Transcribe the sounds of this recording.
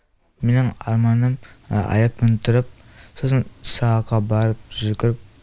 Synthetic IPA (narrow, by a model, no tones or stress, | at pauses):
menɪŋɑ̰ɾmɑnəmɑ̰jɑk̚mɪnt̪ʰʊɾɪp̚ | sosənsɑqɑbɑɾəp̚ʒɵɡʲɪɾɪp̚